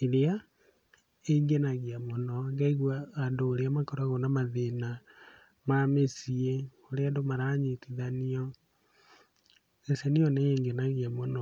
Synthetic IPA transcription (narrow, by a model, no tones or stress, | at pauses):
iɾea | eŋɡenaɣiamonɔɡaiɣwaːndoːɾeamakɔɾaɣonamaðena | mamesie | oɾeadomaɾaɲitiðaniɔ | eseniɔneeːŋɡenaɣiamonɔ